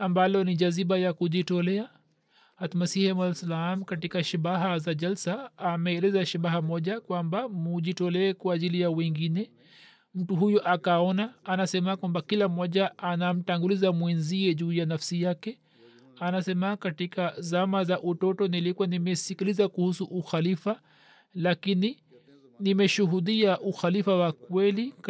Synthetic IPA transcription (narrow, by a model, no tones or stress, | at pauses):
ambalɔniʄaziɓajakuʄitɔlɛa | atmasihɛmalsalaamkatikaʃiɓaɦazaʄalsaːmɛːlɛzaʃiɓaɦamɔʄakwambamuʄitɔlɛːkwaːʄilijawɛŋɡinɛ | m̩tuɦujɔʔakaɔnaːnasɛmakwambakilam̩ːɔʄaanam̩taŋɡulizamwinziɛʄuːjanafsijakɛ | anasɛmakatikazamazaʔutɔtɔnilikuwanimɛsikilizakuhusuʔuxalifa | lakini | nimɛʃuɦuɗiaʔuxalifawakwɛli